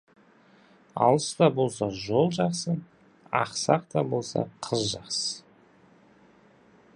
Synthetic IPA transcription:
ɑ̰lˠəst̪ɑbo̞lˠs̬ɑʒo̞lˠʒɑqsə | ɑ̰qsɑqt̪ɑbo̞lˠsɑ̰qʰəzʒɑqsə

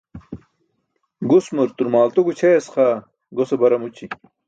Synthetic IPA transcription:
ɡusmuɾt̪uɾmaːlt̪uɡut͡ɕʰeɐsχaː | ɡosebɐɾɐmut͡ɕi

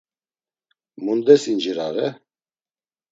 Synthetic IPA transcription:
mund̪ɛsind͡ʒiɾaʁɛ

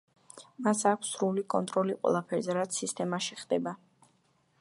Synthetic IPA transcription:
masakʷʰsɾulikʼɔnt̪ʼɾɔliqʼwɛ̰lˠapʰɛɾzɛɾat̪sʰːist̪ʼɛmaʃiχd̪ɛba

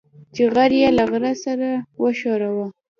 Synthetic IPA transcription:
t͡ʃeɣaɾjalaɣɾasaɾawəʃɑɾawa

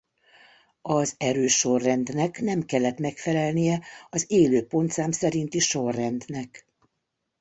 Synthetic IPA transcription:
ɒzɛɾøːʃːo̞rːɛnd̪nɛknɛmkɛlːɛt̪mɛkfɛlɛlnijɛɒzeːløːpo̞nt̪saːmsɛɾint̪iʃo̞rːɛnd̪nɛk

